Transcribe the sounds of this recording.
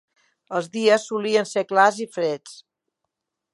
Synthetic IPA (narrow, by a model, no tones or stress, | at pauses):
əlˠzðiəsːuliənseklazifɾet͡s